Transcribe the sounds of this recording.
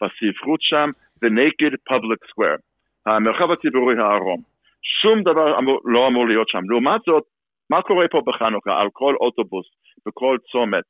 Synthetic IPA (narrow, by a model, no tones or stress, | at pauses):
v̥asifʁutʃam | vəneɡedpʰablikskwɛ̰ʁ | hamelχavat͡sibuʁihaːʁom | ʃumd̪avaʁa̰muloamuʁləjotʃamluumatz̥ot̪̚ | makoʁɛpʰobəχanuka̰ʔa̰lkʰolʔotobʊs | v̥əkʰolt͡somet